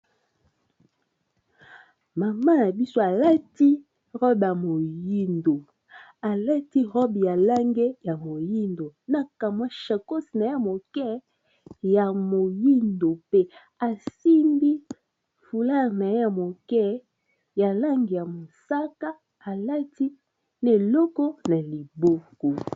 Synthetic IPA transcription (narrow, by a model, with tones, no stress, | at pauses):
ma˨ma˦na˨bi˦so˦a˨la˦ti˦ | ʁɔ˦ba˨mo˨ji˦ndo˨ | a˨la˦ti˦ʁɔ˦bi˨ja˨la˦ŋɡe˦ja˨mo˨ji˦ndo˨na˨ka˨mwa˦ʃa˨ko˦si˨na˨e˦a˨mo˨kɛ˦ | ja˨mo˨ji˦ndo˨pe˦ | a˨si˦mbi˦ | fu˨la˦˨ʁna˨˦ja˨mo˨kɛ˦ | ja˨la˦ŋɡi˨ja˨mo˨sa˦ka˦ | a˨la˦ti˦ | ne˨lɔ˦kɔ˦na˨li˨bo˦kɔ˨